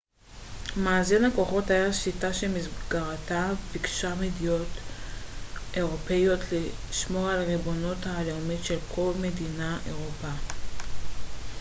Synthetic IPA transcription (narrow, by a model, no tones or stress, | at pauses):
maːzinhako̞χo̞thajaʃitaʃemisɡaʁatapikʃamedijo̞t | ʔe̞ʁo̞pe̞jo̞tʰliʃmo̞ʁalʁibo̞nothaːleomitʃelkʰo̞lme̞dinaʔe̞̰ʁopa